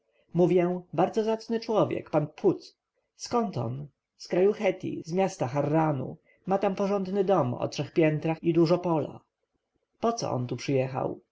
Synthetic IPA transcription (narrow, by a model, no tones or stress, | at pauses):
muvʲjɛ̃baɾd̪zɔzat̪snɘt͡ʂwɔvʲjɛ̰kpanpʰut̪ | skɔnt̪ɔ̰n | skɾajuxɛt̪ʲḭzmʲjast̪axarːanṵ | mat̪ampɔʐɔnd̪nɘd̪ɔmɔ̰tʂɛxpʲjɛnt̪ɾaxid̪uʐɔpɔla̰ | pɔt̪sɔ̰ʔɔ̰nt̪upʂɘjɛxa̰w